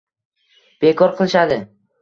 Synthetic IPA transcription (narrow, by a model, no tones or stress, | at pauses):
b̥e̞kʰɒɾqʰɨlˠɪʃad̪ɪ